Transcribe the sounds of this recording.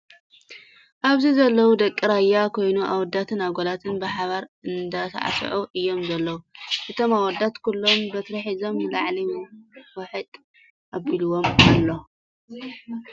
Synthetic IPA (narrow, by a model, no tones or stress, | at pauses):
ʔaβzizɐlːɐwud̪ɐkʼːiɾajːakʰo̞jnuʔawɔd̪ːat̪ʰɨnaβɡolat̪ʰɨnbɨħaβaɾɨnd̪ɐt̪ʰɐ̰ʕa̰sʕuʔɨjːo̞mzɐlːɐwuʔɨt̪ʰo̞mawɔd̪at̪kʰulːo̞mbɐt̪ɾɐħizo̞mjɨlaʕliwɐħɨt̪ʼ | ʔabiluwo̞malːo